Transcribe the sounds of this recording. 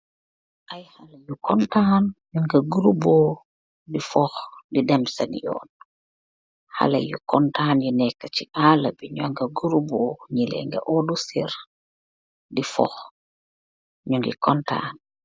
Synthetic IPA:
ʔajhalɐjukɔntaːnɲuŋɡɐɡuɾubɔː | difɔxdidɛmsɐnḭjɔ̰ːn | ha̰lɐ̰jukɔntaːnjunɛkːət͡ʃiʔaːlɐbiɲɔŋɡɐɡuɾuboɲilɛ̰ŋɡɐ̰ʔɔdusiɾ | difɔ̰x | ɲuŋɡḭkɔnta̰ːn

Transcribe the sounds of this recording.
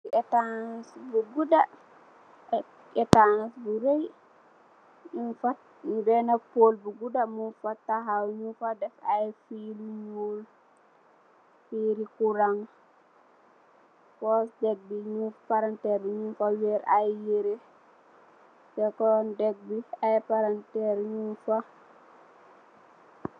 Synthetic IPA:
siɛtansbuɡuda | ɛtanasbuɾej | infat | bɛnapolbuɡudamufatːaɦawɲufadɛfajfilɲuːl | fiːɾikuɾaŋ | kɔsd͡ʒɛɡ̚biɲufpaɾantɛɾɲufaweɾajjiɾi | bɛkɔndɛɡ̚biajpaɾantɛɾɲunfa

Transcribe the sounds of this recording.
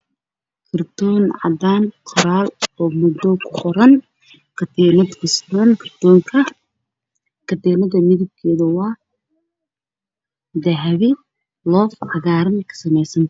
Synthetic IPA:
kʰɐrt̪ɔːnʕɑ̰d̪aːnqʰɔɾaːlɔːmʊd̪ɔkʰʊ̥qʰɔɾɐn | kʰɐd̪ɛːnɐd̪kʰʊsɾɐnkʰɐrd̪ɔːŋkʰɐ | kʰɐd̪ɛːnɐðɐmɪðɪb̚kʰɛːðɐwɑː | d̪ɐɦβɪ | lɔːfʕɑɣaːɾɐnkʰɐ̥sɐmɛjsɐn

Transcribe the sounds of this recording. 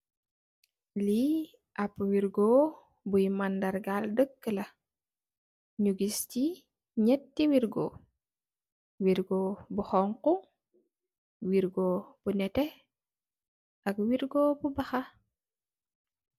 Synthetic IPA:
li | ʔɐpwiɾɡɔː | bujmandɐɾɡaldəkːəlɐ | ɲuɡisci | ɲɛtːiwiɾɡo̰ː | wiɾɡɔːbuxɔŋku | wiɾɡob̥unɛtɛ | ʔɐk̚wiɾɡobubɐxɐ

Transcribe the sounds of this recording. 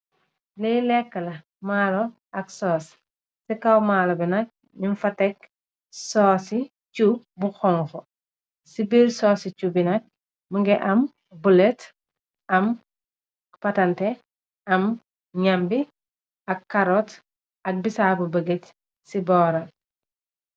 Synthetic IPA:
lɛjlɛkːɐlɐ | maːlɔ | ɐksɔːs | sikɐwmaːlobinɐk̚ | minfɐtɛk | sɔːsi | cu | buxɔŋxɔ | sibiɾsɔːsit͡ʃubinɐk̚ | mɐŋɡɛʔɐm | bulet | ɐm | pɐtɐnte | ɐm | ɲambi | ɐkːɐɾɔt | ɐk̚bisabubəɡet | sibɔːɾɐ

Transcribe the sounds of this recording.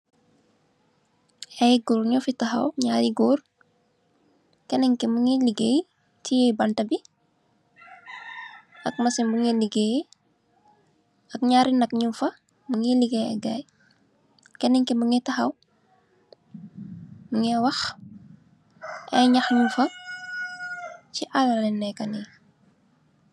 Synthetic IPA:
ɛjɡuːɾɲɔfitɐxɐ̰wɲaːɾiɡuːr | kɛnɛŋkimuŋiliɡej | tijɛbɐntɐbi | ɐk̚mɐsimbuŋɛliɡej | ɐkɲaɾinɐk̚ɲufɐ | muŋiliɡeɛ̰ɡaːj | kɛnɛŋkimbuŋɛtɐxɐw | muŋɛwɐx | ɛ̰ɲɐxɲumfɐ | ciʔalɐlɛnːɛkɐni

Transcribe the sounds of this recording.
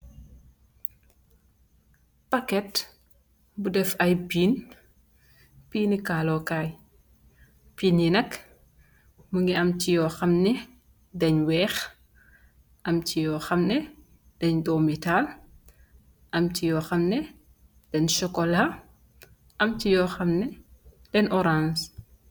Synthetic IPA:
pɐkɛt | budɛfɐjbiːn | piːnikaːlɔkaːj | piːnjinɐk | məŋɡiɐmcijɔxɐmnɛ | dɛɲwɛːx | ʔɐmcijɔxɐmnɛ | d̥ɛɲdɔːmital | ʔɐmcijɔxɐmnɛ | d̥ɛnʃɔkɔla | ʔɐmcijɔxɐmnɛ | d̥ɛnɔɾans

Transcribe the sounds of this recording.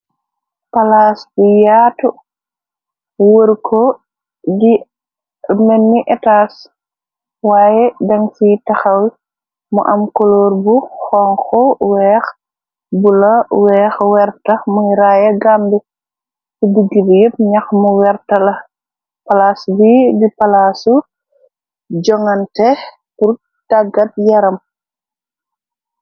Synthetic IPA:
palaːsbijaːtu | wəɾkʰɔ | ɡi | mɛnːiʔɛtaːs | waːjɛdɐŋsitɐxɐw | mṵʔɐmkɔloːɾbuxɔŋxɔwɛːx | bulɐwɛːxwɛɾtɐmujɾajɐɡambi | fidiɡːibjəp̚ɲɐxmuwɛrtɐlɐ | pɐlasbibipɐlasu | d͡ʒɔŋɐntɛ | puɾ | taɡɐt̚jɐɾɐm

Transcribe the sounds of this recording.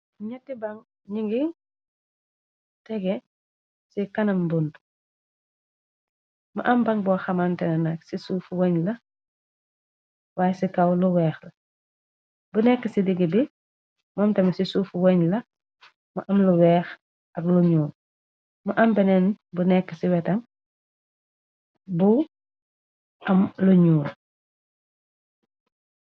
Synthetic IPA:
ɲɐtːibɐŋ | ɲiŋɡi | tɛɡɛ | sikɐnɐmbund | mɐʔɐmbɐŋbɔːxɐmantɛnɛnaksisuːfwoɲlɐ | waːjsikɐwluwɛːxlɐ | bunɛkːəsidiɡibi | mɔːmtɛmsisuːfwoɲlɐ | mɐ̰ʔɐmluwɛːx | ɐkluɲuːl | mɐʔambɛnɛnbunɛkːəsiwɛtɐm | bu | ɐmluɲuːl

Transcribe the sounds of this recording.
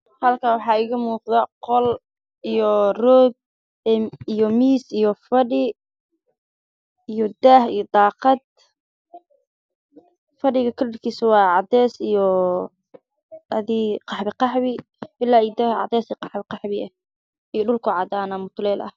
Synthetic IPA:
hɐlkʰawɑħɑːɪɣɐmuːqðɐqɔl | ijɔrɔːd̪̚ | ijɔmiːsijɔfɐɖɪ | ijɔd̪aːhijɔd̪ɑːqɑd̪̚ | fɐɖɪɣɐkʰɐrɪrkʰiːsʊwɑːʕɑd̪ɛːsijɔ | ɐðiqɑħbɪqɑħbɪ | ʔɪlaːɪd̪ɐʕɑ̰d̪ɛːsiqɑħbɪqɑħbɪɐ | ijɔɖʊlkʰʊʕɑd̪aːnɐmʊt̪ʰlɛːlʔɐ̰h

